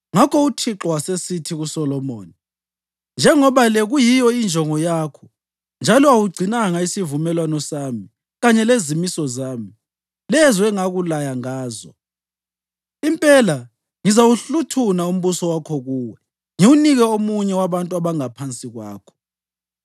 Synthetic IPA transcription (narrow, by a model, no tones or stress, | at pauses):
ŋakʰɔutʰiǁɔwasesitʰiɣusɔlɔmo̰ːni | nd͡ʒʱɛŋɔβalɛɣujijɔind͡ʒʱɔŋɔjakʰɔ | nd͡ʒʱalɔawuɡ͡ǀʱinaŋaisivumɛlwanɔsami | ɣaɲɛlezimisɔzaːmi | lɛzwɛŋaɣulajaŋaːzɔ̰ | impʼɛla | ŋizawuɬutʰunaum̩βusɔwakʰɔɣuːwɛ | ŋiwuniɣɛomuɲɛwaβantʼuaβaŋapʰant͡sʼiɣwa̰ːkʰɔ̥